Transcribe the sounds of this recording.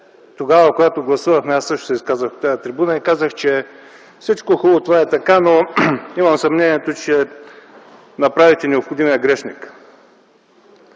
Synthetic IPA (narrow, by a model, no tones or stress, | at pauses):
t̪oɡavɐkoɡat̪oɡlˠɐsuvɐxmɛasːɤʃt̪o̥sɛiskazvəxt̪ajɐt̪ɾɛbunɐikazəxt͡ʃɛ | fsit͡ʃkoxulˠot̪ovaɛt̪ɐkanoimɐmsɐmnɛniɛt̪ot͡ʃɛ | nɐpɾavit̪ɛnɛopxod̪imiɐɡɾɛʃnik